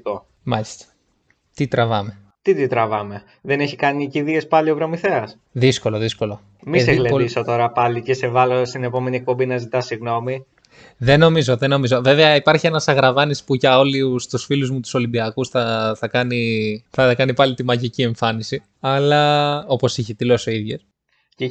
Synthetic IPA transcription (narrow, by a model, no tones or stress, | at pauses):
ko | mɐlist̪ɐ̥ | t̪it̪ɾɐvɐme̞ | t̪it̪it̪ɾɐvɐme̞ | ðe̞neçikɐniciðie̞spɐliopɾomiθeɐs | ðisko̞lo̞ðisko̞lo̞ | miseɣleisot̪o̞ɾɐpɐlicese̞vɐlost̪ine̞po̞me̞nie̞k̚po̞mbinɐzit̪ɐsiɣno̞mi | ðe̞no̞mizo̞ðe̞no̞mizo̞ve̞veɐipɐɾçie̞nɐsɐɣɾɐvɐnispuʝɐo̞list̪usfiluzmut̪u̥so̞limbiɐkusθɐθɐkɐniθɐkɐnipɐlit̪imɐʝicie̞ɱfɐnisi | ɐlɐo̞po̞siçet̪ile̞so̞iðʝes | ce